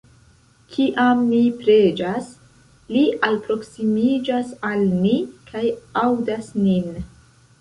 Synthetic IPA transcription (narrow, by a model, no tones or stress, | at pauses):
kʰiʔamːipɾe̞d͡ʒas | liʔalpɾo̞ksimid͡ʒasalmikʰajawdasnin